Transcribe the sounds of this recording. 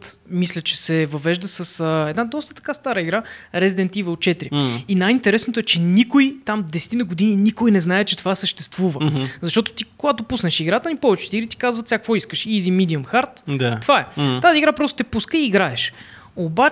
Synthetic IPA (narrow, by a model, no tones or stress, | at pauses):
t̪mislʲət͡ʃɛsɛvɐvɛʒd̪əsəsəɛd̪nad̪ɔst̪ət̪ɐ̥kast̪aɾəiɡɾaɾɛzid̪ɛnt̪ivəot̪̚t͡ʃɛt̪ɾiinajint̪ɛɾɛsnot̪oɛt͡ʃɛnikojt̪amd̪ɛsɛ̥t̪inəɡod̪ininikojnɛznaɛt͡ʃɛt̪ovasəʃt̪ɛst̪vuvəzɐʃt̪ɔt̪o̥t̪ikoɡat̪ʊpusnəʃiɡɾat̪ənipɔvɛt͡ʃɛ̥t̪iɾit̪i̥kazvət̪sʲjakvɔiskəʃizimid̪iəmxaɾt̪d̪at̪ovaɛt̪aziɡɾapɾɔst̪o̥t̪ɛpuskəiːɡɾaɛʃ | oba